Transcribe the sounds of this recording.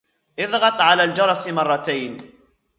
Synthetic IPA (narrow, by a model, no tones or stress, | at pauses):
ʔɪðˤɣɑt̪ˤʕalaːld͡ʒɑɾˤɑsmɑrˤːɑt̪ajn